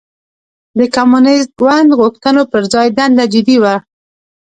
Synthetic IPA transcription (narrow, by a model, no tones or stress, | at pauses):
d̪əkamunɪst̪̚ɡwand̪ɣuxt̪ənopəɾzɑjd̪and̪ad͡ʒɪd̪iwa